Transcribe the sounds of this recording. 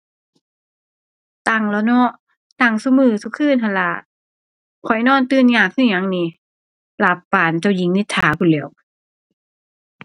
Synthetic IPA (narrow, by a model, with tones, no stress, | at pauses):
t̪a˧˩ŋlɔ˧nɔ˧˥ʔ | t̪a˧˩ŋsu˧˦mɯː˧˩su˧˦kʰɯː˧˥˨nɦʰa˧˨la˧˦ | kʰɔ˨˩jnɔː˧˥˨nt̪ɯː˧˥˨nɲaː˧˩k̚ʰːɯ˧˥˩ɲa˧˦ŋniː˧˩ | la˧˦pːaː˨˩nt͡ɕa˧˩wji˨˦ŋni˧˦t̪ʰːaː˨˦kʰu˧˨lɛ˨˦ə˨w